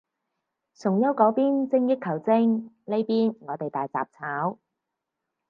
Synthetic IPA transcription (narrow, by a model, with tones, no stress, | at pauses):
sʊ˨˩ŋjɐ˥wkɔː˨˥piː˥nt͡sɪ˧ŋjɪ˥kʰːɐ˨˩wt͡sɪ˥ŋ | le˥jpiː˥nŋɔː˨˧t̪e˨jt̪aː˨jt͡sa̰ː˨p̚t͡sʰaː˨˥w